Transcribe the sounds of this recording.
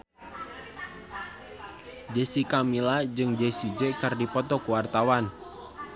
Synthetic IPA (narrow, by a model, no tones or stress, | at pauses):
d͡ʒesikamilad͡ʒɨŋd͡ʒesid͡ʒɛkɨrdipɔt̪ɔkuwart̪awan